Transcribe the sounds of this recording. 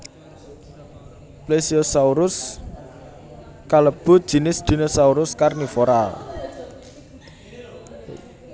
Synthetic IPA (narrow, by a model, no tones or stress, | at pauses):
plesiosauɾʊs | kaləb̥ʊ̤d̥ʒ̥i̤nɪsd̪̥i̤nosauɾʊskarnifoɾal